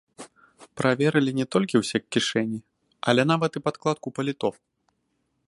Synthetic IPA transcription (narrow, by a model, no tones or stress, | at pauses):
pɾʔavʲɛɾɨlʲinʲɛt̪ɔlʲkʲiwsʲɛkʲːiʂɛnʲi | ɐlʲɛnavɐt̪ipat̪klˠat̪̚kupɐlʲit̪ɔf